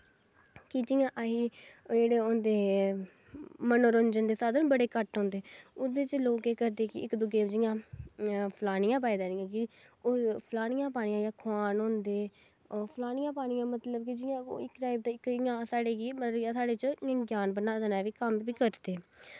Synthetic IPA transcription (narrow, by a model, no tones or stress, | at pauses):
kɪd͡ʒɪjãːʔaɦiːd͡ʒeːɽeːõːnd̪eː | mənoːɾənd͡ʒənd̪eːsaːd̪ənbəɽeːkəʈɦõːnd̪eːʊd̪eːt͡ʃloːkeːkəɾd̪eːkɪɪkd̪ʊɡeːd͡ʒɪjãː | pʰlaːɽ̃ɪjãːp̬aːiːd̪aːɾɪjãːkɪ | oːpʰlaːɳɪjãːp̬aːɽɪjãːjãːkʰaːnɦõːnd̪eː | pʰlaːñɪjãːpaːɽ̃ɪjãːmət̪ləb̚kid͡ʒɪjã̰ːɪkːʈaːɪb̚d̪aɪkɪjãːsaːɽeːkimət̪ləjãːsaːɽeːt͡ʃãɡjaːnbənaːd̪enaːʋiːkəmʋiːkəɾd̪eː